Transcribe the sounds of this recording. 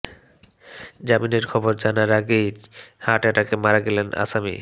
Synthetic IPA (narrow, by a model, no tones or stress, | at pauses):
d͡ʑamineɾkʰɔboɾd͡ʑanaɾaɡejhaʈaʈakemaɾaɡelena̰samḭ